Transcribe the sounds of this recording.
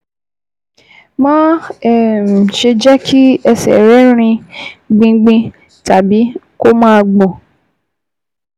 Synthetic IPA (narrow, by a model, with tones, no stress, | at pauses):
mã˦ɛ˨m˨ʃe˧d͡ʒɛ˦kʰi˦ɛ˧sɛ̰˨ɾɛ˨˦ɾ̃ĩ˧ɡ͡bĩ˧ɡ͡bĩ˧ | ta˨bi˨˦ | ko˦mãː˦˧ɡ͡bɔ̃˨